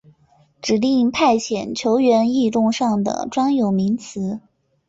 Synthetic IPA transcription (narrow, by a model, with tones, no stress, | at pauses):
ʈ͡ʂɻ̩˨˩li˥˧ŋpʰa˥˩ɪt͡ɕʰjɛ˨˩nt͡ɕʰjo˧˥ʊɥɛ˧˥ni˥˧t̪ʊ˥˧ŋʂɑ˥˩ŋd̪ə̰˩ʈ͡ʂwɑ˥ŋjo˨˩ʊmi˧˥ŋt͡sʰɹ̩˧˥